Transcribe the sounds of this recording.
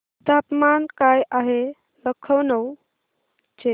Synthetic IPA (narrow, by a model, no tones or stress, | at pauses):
d̪ʱapmankajʔaɦe | ləkʰəwnəw | t͡ʃe